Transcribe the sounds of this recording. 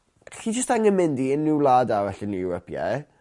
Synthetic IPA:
χiːd͡ʒəstaŋəmɪndiənːuwlˠaːdawɛɬənuɾə̰pʰjɛ̰

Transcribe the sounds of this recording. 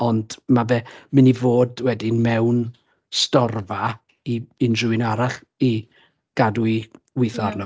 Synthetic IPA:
ɔnd̥mavɛːmɪnivoːdwɛdɪnmɛwn | stɔrva | iɪnrʊɪnaɾaɬ | i | ɡ̥adwi | wɪθɔarnɔ

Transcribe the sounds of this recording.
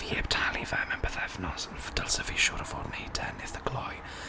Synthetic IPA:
viɛb̥̚tʰalˠivɛ̰mɛnbɛðɛvnɔsnd̥alˠsəviʃʊːɾəvo̰ːd̥nedʰɛ̰nɪθəɡ̥lˠɔj

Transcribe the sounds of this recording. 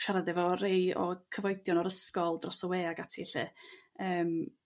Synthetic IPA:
ʃaɾadɛvɔɾejɔ̰kʰəvɔjdjɔnɔɾəskɔlˠdrɔsɔweːaɡatʰiɬɨəːm

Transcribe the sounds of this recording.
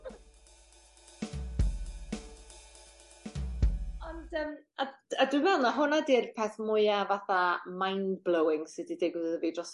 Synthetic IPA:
ɔndəmaadwɨvɛlˠnaɦʊnadirpʰɛθmʊɨavaθamajnblˠəwɪŋsɪdidɪɡðəvidrɔs

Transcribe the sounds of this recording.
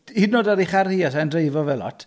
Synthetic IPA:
idnoːdaɾiχarhiːasandreɨvɔvɛlˠɔ̰tʰ

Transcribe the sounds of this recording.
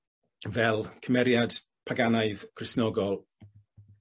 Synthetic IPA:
vɛlˠkʰəmɛɾjad | pʰaɡanaɨðkʰrɪsnɔɡɔlˠ

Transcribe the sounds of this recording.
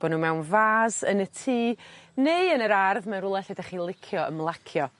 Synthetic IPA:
b̥ɔdnuːmɛwnvaːzə̰nətʰiːneɨənəɾarðmɛɾʊlˠɛɬɪdaχiːlˠɪkʰjɔə̰mlˠakʰjɔ

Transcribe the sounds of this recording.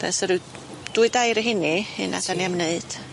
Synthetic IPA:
b̥ɛ̰səɾɨw | d̥uɨdajɾəɦɪnihɨ̰nʔa̰daniamneɨd̥

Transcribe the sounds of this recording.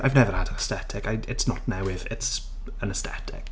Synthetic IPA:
ʔa̰jvnɛvəɾhadəəstɛtʰɪkajɪtsnɔtnɛwɪðɪts | ənəstɛ̰tʰɪ̰k

